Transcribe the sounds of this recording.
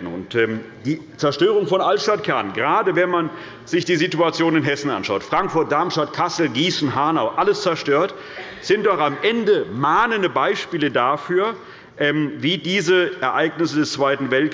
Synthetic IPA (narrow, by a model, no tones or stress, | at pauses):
n̩ʊ̰ntɛm | d̥iː | t͡sɛɐʃtøːʁʊŋfɔnʔaltʃtat̚kʰɛɐnɡəʁaːdəvɛnman | z̥ɪçd̥iːzituat͡sjoːnɪnɦɛsn̩ʔa̰nʃaʊtfʁ̥aŋkfʊɐt̚d̥aɐmʃtat̚kʰasl̩ɡiːsn̩ɦaɐnaʊʔaləst͡sɛɐʃtøːɐt | z̥ɪnt̚d̥ɔχamʔɛndəmaːnəndəbaɪʃpiːlədaːfyːɐ | ʔɛːmviːdiːzəʔɛɐʔaɪɡnɪsədɛst͡sv̥aɪtn̩vɛlt